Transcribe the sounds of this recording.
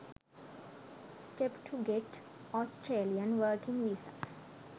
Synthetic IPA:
sʈepʈʰuɡeʈ | ɔsʈɾeːliə̃nʋəːkĩŋʋisə̰̃

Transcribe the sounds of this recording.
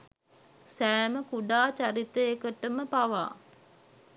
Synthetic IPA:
sæːməkuɖaːt͡ʃaɾit̪əekəʈəməpaʋa̰ː

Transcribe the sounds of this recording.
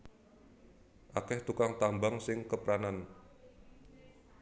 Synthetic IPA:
ʔakɛht̪ukaŋt̪ambaŋsɪŋkəpɾanan

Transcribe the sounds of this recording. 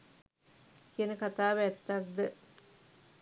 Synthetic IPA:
kiənəkat̪aːʋæt̪ːak̚d̪ə

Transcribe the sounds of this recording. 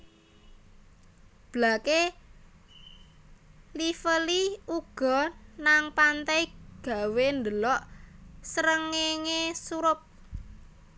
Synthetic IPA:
b̥lake | lifəliuɡ̥ɔ̤naŋpant̪ɛjɡ̥a̤wend̪əlɔʔsəɾəŋeŋesuɾʊp̚

